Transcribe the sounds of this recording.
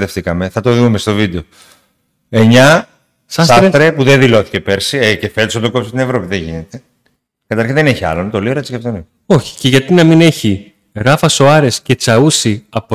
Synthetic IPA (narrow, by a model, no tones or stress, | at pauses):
t̪e̞ft̪ikɐme̞θɐt̪o̞ðumest̪o̞vid̪eo̞ | e̞ɲɐ | sɐsɐsɾet̪ɾepuðenðilo̞θi̥ce̞peɾsiecefet̪osɐnt̪oko̞psot̪inevɾo̞piðeʝḭnet̪e̞ | kɐt̪ɐɾçinðeneçiɐ̰lont̪o̞lioɾet̪si̥cept̪oni | o̞çi̥ce̞ʝɐt̪inɐmine̞çi | ɣɐfɐso̞ɐɾe̞sce̞t͡sɐusiɐpo